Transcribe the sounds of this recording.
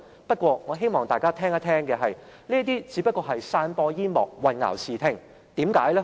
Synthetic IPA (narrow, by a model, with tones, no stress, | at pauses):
pɐ˥t̚kʷɔː˧ŋɔː˨˧ɦe˥jmɔː˨˩ŋt̪aː˨jkaː˥t̪ʰɛː˥ŋɐ˥t̪ʰɛː˥ŋkɛː˧ɦɐ˨j | niː˥ɐ˥t̪̬iː˥t͡siː˨˧pɐ˥kɔː˧ɦɐ˨jsaː˧npɔː˧jiː˥nmɔː˨˩k̚wɐ˨nŋa̰ː˨˩wsiː˨t̪ʰɪ˧˩ŋ | t̪iː˨˥mkaː˨˥jlɛ˥